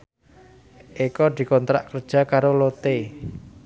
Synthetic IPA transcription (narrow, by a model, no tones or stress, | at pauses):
ʔikɔd̪̥i̤kɔnt̪ɾa̰ʔkərd̥ʒ̥a̤kaɾolot̪e